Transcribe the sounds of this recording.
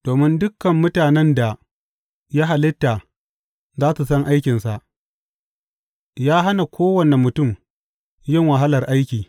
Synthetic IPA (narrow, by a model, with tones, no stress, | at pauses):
d̥oː˨mɪ˦ndʊ˦kːɐ˨mːʊ˦taː˨nɛ˦nda˨ | ja˦ɦa˨lɪ˦tːa˨ | zaː˦su˨sɐ˦ŋʔa˦jkʲɪ˨nsa˨ʔ | jaː˦ɦa˦na˨kʷʰoː˦wɐ˨ne˨mʊ˨tʊ˦˨m | jɪ˦ŋwɐ˨ɦa˦lɐ˨rʔa˦jkʲiː˨